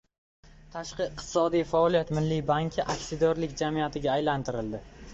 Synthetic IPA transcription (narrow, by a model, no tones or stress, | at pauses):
t̪ʰaʃqɨɪqt̪ʰɪ̥sɒd̪ijfaɒlijat̪mɪlːijbaŋkʲʰɪʔakʲsɪd̪ɒɾlɪkʲd͡ʒamijat̪ʰɪɡʲaːjlant̪ʰɪɾɪld̪ɪ